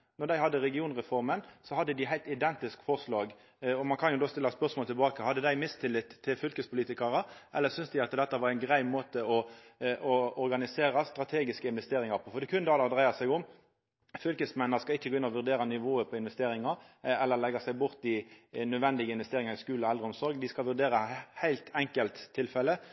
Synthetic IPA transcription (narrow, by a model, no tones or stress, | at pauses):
nɔʁd̪æɪhɑd̪ːəɾɛɡɪuːnʁɛfɔʁmənsɔhɑd̪ːəd̪ɪɦæɪlt̪ɪd̪ɛnt̪ɪskfɔʁʂlɑːɡ | ɔmɑnkʰɑnjʊd̪oːst̪ɪlːɑspœʁsmɔlt̪ʰɪlbɑːkəhɑd̪ːəd̪æɪmɪst̪ʰɪlːɪt̪ʰːɪlfʏlkəspʊliːt̪ɪkɑɾəʔɛ̰lːəɾsʏnsd̪ɪɑt̪d̪ɛt̪ːəʋɑɾæɪnɡʁæɪmoːt̪əɔʔɔɔɾɡɑnɪseːɾɑst̪ʁɑt̪ʰeːɡɪskəɪnʋɛst̪eːɾɪŋɑɾpʰɔfɔɾd̪ɛkʰʉnd̪ɑːlɑd̪ʁæɪɑsæɪɡʊm | fʏlkəsmɛnːəʁskɑɪçːəɡoɪnːɔʋʉʁd̪eːɾɑnɪʋoːəpʰɔɪnʋɛst̪eːɾɪŋɑɾɛlːəɾlɛɡɑsæɪbʊʁt̪ɪnœd̪ʋɛnd̪ɪɡəɪnʋɛst̪eːɾɪŋɑʁɪskʉːlɔɛld̪ʁəʊmsɔɾɡd̪ɪskɑlʋʉʁd̪eːɾəhæɪlt̪ɛŋkəlt̪ʰːɪlfɛlːə